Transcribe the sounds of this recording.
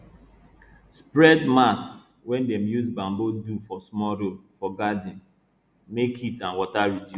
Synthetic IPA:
spɹɛdmat | wɛ̃ndɛmjuzbãmbodufɔsmɔɾolfɔɡadĩn | mekitãnwɔtaɹidju

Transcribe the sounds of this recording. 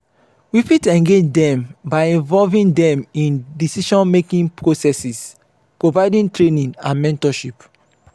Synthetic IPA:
wifitɛ̃ŋɡed͡ʒdɛ̃mbaɪĩvɔlvĩndɛ̃mĩndisiʃɔ̃nmekĩŋpʰɹosɛsis | pɹovaɪdĩntɹenĩnãnmɛ̃ntɔʃip

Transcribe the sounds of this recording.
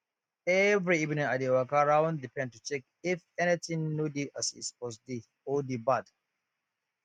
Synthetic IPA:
ɛvɾiivnĩŋadewakaɾaw̃ndipɛ̃nd̚tːut͡ʃɛk̚ | ɪfɛnit̪ɪ̃ŋnudiʔasḭspɔs̬di | ɔdibad

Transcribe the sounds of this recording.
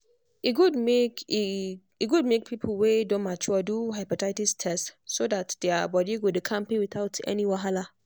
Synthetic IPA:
iɡudmek | iɡud̚mek̚pʰipʰl̩wedõnmat͡ʃuduɦaɪpɔtaɪtistʰɛstsodatd̥ɛabɔdiɡudkʰãmpiwiθaʊtʰɛ̰niwaɦala

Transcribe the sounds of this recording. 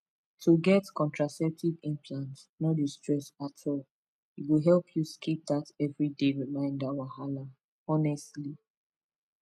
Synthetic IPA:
tʰuɡɛtkɔ̃ntɹasɛp̚tivĩmpʰlãnt | nodistɹɛsatʰɔl | iwiɦɛlpʰjuskʰip̚datɛvɹideɹimãɪ̃ndawahala | ɔnɛstli

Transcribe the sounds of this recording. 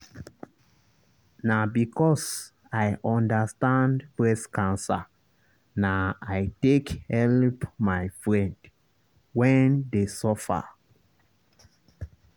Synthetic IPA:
nabikʰɔs | ajʔɔ̃ndəstãndpɹɛskʰãnsə̰ | naajtekhɛlpmajfɹɛ̃nd | wɛ̃ndesɔfə̰

